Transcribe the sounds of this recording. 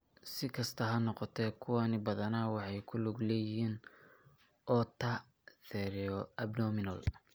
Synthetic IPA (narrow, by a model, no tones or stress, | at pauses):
sɪkʰɐst̪ʰɐɦɐnɔqɔt̪ʰɛkʰʊwanɪbɐðɐnaːwɑħɑjkʰʊlʊɡlɛːjɪɦiːn | ʔɔt̪ʰɐ | θɛɾɛɔɐbnɔmɪnɐl